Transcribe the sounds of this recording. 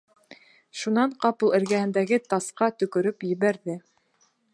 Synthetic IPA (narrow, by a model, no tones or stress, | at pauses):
ʃunɑɴqɑpɤlˠɘ̆ɾɡæhɘ̆nd̪æɡɘt̪ɑsqɑt̪ɵ̆kɵ̆ɾɵpjɘ̆βæɾðɘ